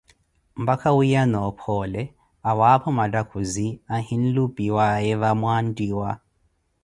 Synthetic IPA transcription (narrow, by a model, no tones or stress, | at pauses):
m̩bakʰawujanɔpʰɔlɛ | awapʰɔmadakʰuziahin̩lubiwaɛβamwandiwa